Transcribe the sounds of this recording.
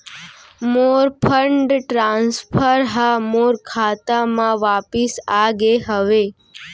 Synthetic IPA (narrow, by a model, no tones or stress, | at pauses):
moɾpʰəɳɖʈɾãnspʰəɾɦamoɾkʰat̪amãʋapisaːɡeɦəʋe